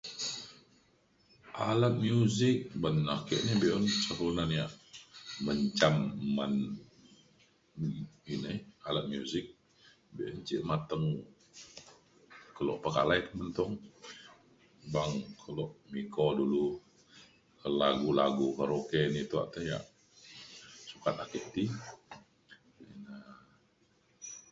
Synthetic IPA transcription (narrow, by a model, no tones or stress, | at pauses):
ʔalat̪̚mjuzɪk̚banːako̰ʔnibeʔɔnt͡ʃəpunanjaʔməɲt͡ʃamːan | ɡinəalat̪̚mijuzɪk̚ | beʔɔnt͡ʃiʔmat̪əŋ | kəlo̰ʔpəka̰lait̪əmənt̪ɔŋ | baŋkʰəlɔʔmikodulu | kəlaɡulaɡukəɾokenit̪ua̰ʔt̪əja̰ʔ | sukat̪akət̪i | ina